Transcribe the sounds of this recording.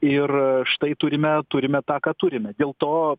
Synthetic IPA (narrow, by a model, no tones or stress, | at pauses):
ɪrʃt̪ɐɪt̪ʊɾʲɪmʲɛt̪ʊɾʲɪmʲɛt̪ɑːkɑːt̪ʊɾʲɪmʲɛd̪ʲeːlˠt̪oː